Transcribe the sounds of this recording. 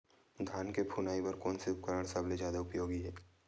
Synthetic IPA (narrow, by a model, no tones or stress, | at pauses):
d̪ʱaːnkepʰunaːipɐɾkɔːnsiʊp̚kəɾəɽ̃sɐbled͡ʒjaːd̪aʊpjoːɡiɦɛː